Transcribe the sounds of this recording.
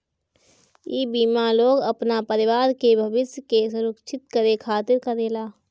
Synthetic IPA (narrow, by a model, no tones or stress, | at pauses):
iːbiːmaloːɡəpnapəɾɪʋaːɾkebʱəʋɪsjkesʊɾəkʃʰɪt̪kəɾekʰaːt̪ɪɾkəɾeːlaː